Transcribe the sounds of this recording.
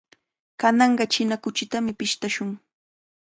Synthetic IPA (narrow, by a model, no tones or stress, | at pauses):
kanɑɴɢɑt͡ʃɪnakʊt͡ʃɪt̪amɪpɪʃt̪aʃʊŋ